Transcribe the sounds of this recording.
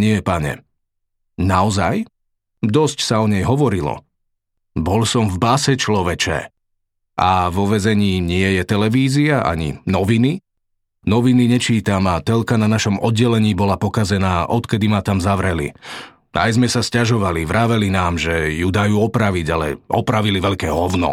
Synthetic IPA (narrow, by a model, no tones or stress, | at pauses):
ɲɪɛpaɲɛ̰ | naɔzaj | d̪ɔscsaɔɲɛjɦɔʋɔɾilɔ̰ | bɔlsɔmvbasɛt͡ʃlɔʋɛt͡ʃɛ̰ | ʔaʋɔʋɛzɛɲiːɲɪɛjɛt̪ɛlɛʋiːziaʔa̰ɲḭnɔʋini | nɔʋiniɲɛt͡ʃiːt̪amat̪ɛlkananaʃɔmɔd̪̚ɟɛlɛɲiːbɔlapɔkazɛnaːʔɔt̪kɛd̪imat̪amzaʋɾɛlḭ | a̰jzmɛsascaʒɔʋaliʋɾaːʋɛlinaːmʒɛjud̪ajuːɔpɾaʋiɟalɛ̰ʔɔpɾaʋiliʋɛʎkɛːɦɔʊnɔ̰